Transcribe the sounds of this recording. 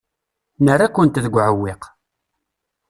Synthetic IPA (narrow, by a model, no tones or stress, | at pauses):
nərːakʷːənt̪ðəɡʷʕəwːɪq